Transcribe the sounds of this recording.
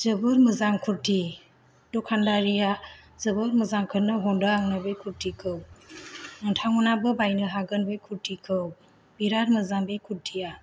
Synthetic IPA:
zɯbɯɾmɯzaŋkʰuɾti | dɔkʰandaɾijazəbɯɾmɯzaŋkʰɯɾnɯɦɔndaaŋnabɯjkʰuɾtikʰɯw | əntʰaŋɔnabɯbajnɯɦaɡɯnbɯjkʰuɾtikʰɯw | biɾaɾmɯzaŋbejkʰuɾtʰija

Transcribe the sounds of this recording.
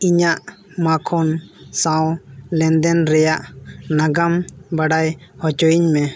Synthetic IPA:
iɲaʔ | makʰɔnsãwlɛnd̪ɛnɾɛjaʔnaɡambaɖajhɔt͡ʃɔjiɲmɛ

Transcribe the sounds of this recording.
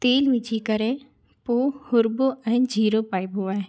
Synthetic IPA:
t̪eːlʋɪd͡ʒʰʱikəɾẽ | poːhʊɾboʔɛːnd͡ʒʱiːɾoːpaːibʱoaːɦẽ

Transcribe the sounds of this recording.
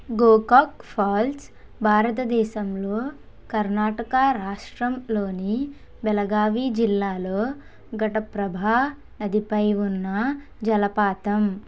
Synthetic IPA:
ɡoːkaːkpʰaːls | bʱaːɾɐt̪ɐd̪ɛːʃɐmloː | kɐɾnaːʈɐkaɾaːʂʈɾɐmloːni | bɛlɐɡaːʋiːd͡ʒilːaːloː | ɡʱɐʈɐpɾɐbʱaː | nɐd̪ʱipɐjʋunːɐ | d͡ʒɐlɐpaːt̪ɐm

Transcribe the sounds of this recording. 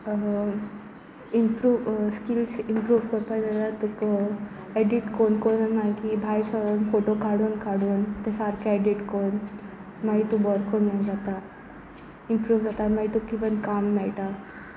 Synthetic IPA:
impɾuːʋskilsimpɾuːʋkəɾpajd͡zat̪at̪uk | eɖiʈkonkonənmaɡibʱajsɔɾoːnfoʈokaɽuːnkaɽuːnt̪esaɾkʰeɖiʈkon | maɡit̪ubɔɾkʰonnad͡zat̪a | impɾuːʋd͡zat̪amaɡit̪ukːiʋənkamːɛɭʈa

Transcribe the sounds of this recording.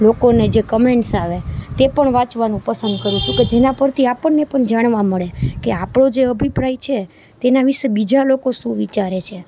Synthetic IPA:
lokoned͡ʒekəmeɳʈsaʋet̪epəɳʋãt͡ʃʋanũpəsənd̪̚kəɾũt͡ʃʰũked͡ʒenapəɾt̪ʰiapəɳːepəɳd͡ʒaɽ̃ʋaməɭekeapɽ̃od͡ʒeəbʱipɾajt͡ʃʰe | t̪enaʋiʃebid͡ʒalokoʃũʋit͡ʃaɾet͡ʃʰe

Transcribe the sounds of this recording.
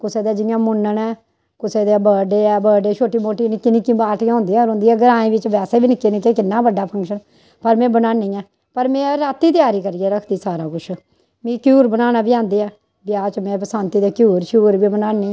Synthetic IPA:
kʊseːd̪eːd͡ʒɪjãːmʊnːənɛː | kʊseːd̪ebəːɖeːɛːbəːɖeːt͡ʃʰoːʈiːmoːʈiːnɪkːiːnɪkːĩːbaːʈʰːjãːɦʊ̃nd̪iːɛ̃ːɾõʊ̃ːnd̪iːɛːɡəɾãːĩːbɪt͡ʃʋɛːseːbiːnɪkːeːnɪkːeːkɪnːaːbəɖːaːpʰə̃ŋkʃən | pəɾmɛ̃ːbənaːniːɛː | pəɾmẽːɾaːt̪ːiːt̪ɪjaːɾiːkəɾiːɛːɾəkʰd̪iːsaːɾaːkʊt͡ʃʰ | mĩːkjuːɾbənaːnaːbiãːnd̪eːɛː | bjaːt͡ʃmɛ̃ːpəsãːnt̪iːd̪eːkjuːɾʃjuːɾbiːbənaːniː

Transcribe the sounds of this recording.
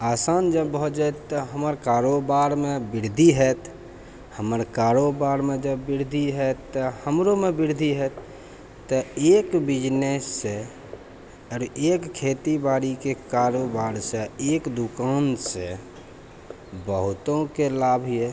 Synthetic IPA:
aːsaːnd͡ʒəbːʊd͡ʒat̪t̪ːəɦəməɾkaɾobaɾmebɪɾd̪ʱiɦɛt̪ | həməɾkaɾobaɾmẽd͡ʒəbːiɾd̪ʱiɦɛt̪ːəhəmɾomebiɾd̪ʱiɦɛt̪ː | əeːkbɪd͡ʒnesːe | ɔɾeːkkʰːet̪ibaɾikekaɾobaɾseeːkd̪ukanse | bəɦʊt̪õkelabʱiɛ

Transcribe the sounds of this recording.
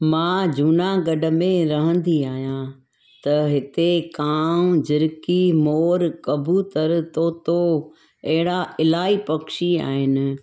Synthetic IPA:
mãːd͡ʑuːnaɡɐɖʱə̆mẽɾɐɦə̃nd̪iaːɦijã | t̪ɐɦɪt̪ekaːd͡ʑɪɾkimoːɾkɐbʱut̪əɾt̪oːt̪o | ɐɦɪɽaɪlaːipɐkʃia̰ːɦɪnɪ̆

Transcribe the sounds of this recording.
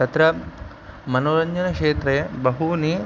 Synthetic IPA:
ɐt̪ɾɐ | mɐnoːɾɐɲd͡ʒɐnɐkʂeːt̪ɾɐjɐbɐɦuniː

